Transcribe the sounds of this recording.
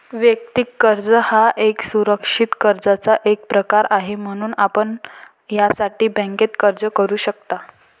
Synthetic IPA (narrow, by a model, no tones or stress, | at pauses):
ʋjəkt̪ikːəɾd͡zəhaʔeksuɾəkʂit̪kəɾd͡zat͡saʔek̚pɾəkaɾaɦem̤əɽ̃uːnapəɳ | jasaʈiːbɛ̃ŋket̪kəɾd͡zəkəɾuːɕək̚t̪a